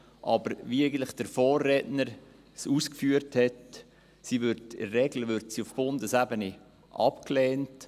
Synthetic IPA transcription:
ʔɑbəɾvieɪɡən̩t̪lɪχd̥əɾfoːrːɛːtnəɾ | suːskfyːəɾthɛt | siʋʏɾtɪ̰ːɛɡləʋʏɾtsiʊfb̥ʊndəsæbəni | ʔɑ̰pklɛːnt

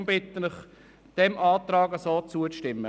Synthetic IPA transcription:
mbɪt̪ːənɪχ | d̪̥ɛmʔɑːt̪rɑːɡəsoːt͡suət͡sʃtɪmːə

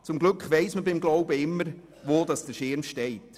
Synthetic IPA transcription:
t͡sʊmɡlʏkχʋɛɪsməbɪmɡlɔʊbəɪmːəɾ | ʋoːdɑsd̥əʃɪmʃtɛɪt

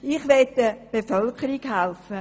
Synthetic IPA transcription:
iχʋɛtdəb̥efœlkəɾikhɛlfə

